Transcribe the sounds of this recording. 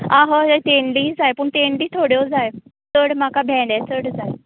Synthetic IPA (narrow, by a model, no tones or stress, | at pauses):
ãɦət̪enliːd͡zajpəɳt̪eɳliːt̪ʰoɽjod͡zaj | t͡səɽmakabʱɛ̃ɖɛt͡səɽd͡zaj